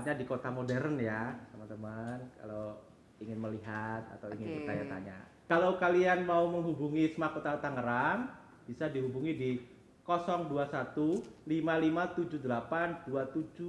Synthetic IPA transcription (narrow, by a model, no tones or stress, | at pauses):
ɲadikot̪amodɛɾənjat̪əmant̪əmanka̰lo | iŋɪnməliɦat̪̚a̰t̪awiŋɪnpərpt͡ʃaɲat̪a̰ɲa̰ | kalawkalianmauməŋɦubuŋisəmahkot̪at̪aŋəɾan | b̥isadiɦubuŋidi | kosɔŋduasat̪ulimalimat̪ud͡ʒudəlapanduat̪ud͡ʒu